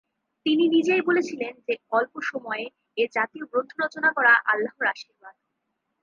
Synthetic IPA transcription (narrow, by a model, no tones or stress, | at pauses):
t̪ininid͡ʑejbolet͡ɕʰilend͡ʑeɔlpoʃɔmɔe | eɾd͡ʑat̪ioɡɾont̪ʰoɾot͡ɕonakɔɾaʔalːaɦoɾaʃiɾbad̪̥̚